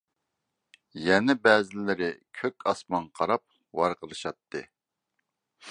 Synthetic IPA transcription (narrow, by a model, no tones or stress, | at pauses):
jɛnɛbɛːzɪlɪɾɪkʲʰøkʲɑsmɑnqʰɑɾɑp̚ | wɑɾqəlˠɨʃɑt̪ʰːɨ̰